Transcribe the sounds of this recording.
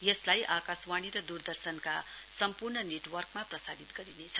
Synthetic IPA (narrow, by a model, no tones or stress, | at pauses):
jʌslajʔakaswaɽ̃iɾʌd̪urd̪ʌrsʌnka | sʌmpurɳʌneʈwʌrkmaprʌsadit̪ɡʌɾinet͡sʰʌ̥